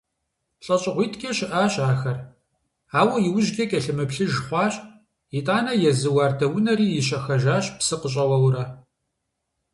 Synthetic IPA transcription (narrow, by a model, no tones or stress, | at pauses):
ɬʼɐɕʼɪʁʷiːtʰɡʲʰɐʃɪʔaːɕʼaːxɐr | aːwɐjɪwʊʑɡʲɐkʲʼɐɬɨmɨpɬɨʒχʷɑːɕʼ | itʼaːnɐjɛzɨwaːrdɐwʊnɐɾiːjɪɕɐxɐʒaːɕʼpsɨqəɕʼɐwɐwɾɐ